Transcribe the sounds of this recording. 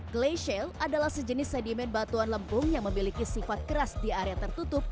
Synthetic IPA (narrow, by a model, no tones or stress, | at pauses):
ɡleʃɛlʔadalahsəd͡ʒənɪsːɛdimɛnbat̪uanləmpʊŋjaŋməmilikisifat̪̚kəɾasdiaɾeat̪ərt̪ut̪ʊp̚